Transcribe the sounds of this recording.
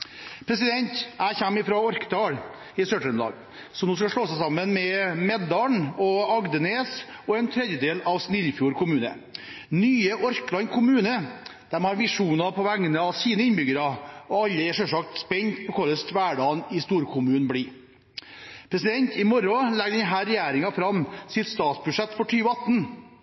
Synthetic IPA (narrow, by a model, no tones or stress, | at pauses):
pʰɾɛsɪd̪ɛnt̪æɪçæmːɪfɾɑɔɾkəd̪ɑːɽ | ɪsœʈənd̪ɑ̰ːɡ | sɔnoːskɑʂɭoːsæsɑmːənmɛmɛd̪ɑɳɔɑɡd̪əneːsɔɛnt̪ʰɾɛd̪jəd̪eːlɑʋsnɪlfjuːɾkʰʊmʉːnə̰ | nyːəʔɔɾklɑnkʰʊmʉːnəd̪̥ɛmhɑɾʋɪʂuːnɑpʰɔʋæŋːənəɑʋsiːnəɪnbʏɡəɾɑɔɑlːəɛʂœʂɑk̚t̪spɛɲt̪pʰɔkʰɔɾəst̪ʋæːɖɑːnɪst̪uːɾkʰʊmʉːnbliː | pʰɾɛsɪd̪ɛnt̪ɪmɔɾɔlæɡɖ̪ɛnɦæːɾɛjæːɾɪŋɑfɾɑmsɪt̪st̪ɑːt̪sbʉʂɛt̪ːfɔʈʰyːʋəɑt̪ːn